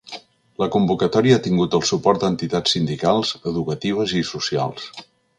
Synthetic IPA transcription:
ləkumbukət̪ɔɾiəat̪iŋɡut̪əlˠsupɔrt̪̚d̪ənt̪it̪at͡ssːind̪ikalˠzəðukət̪iβ̞əzisusia̰lˠs

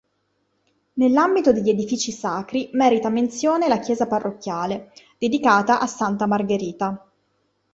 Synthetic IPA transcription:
nelːambit̪od̪eʎːed̪ifiːt͡ʃisaːkɾimɛːɾit̪ament̪sjoːnelak̟jɛːzaparːʔokːjaːled̪̥ed̪ikaːt̪aʔasːant̪amarɡeɾiːt̪a

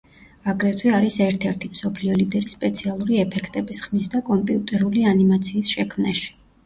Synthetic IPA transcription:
aɡɾɛt̪ʰwiaɾisɛɾt̪ʰɛɾt̪ʰimsɔpʰliɔlid̪ɛɾispʼɛt̪sʰialˠuɾiɛpʰɛkʰt̪ʼɛbisχmisd̪akʼɔmpʼiut̪ʼɛɾulianimat̪sʰiːsʃɛkʰmnaʃi̥

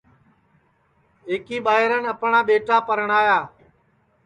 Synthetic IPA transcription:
eːkiːɓaːɦɪɾənəpɳaːɓeːʈaːpəɾəɳaːjaː

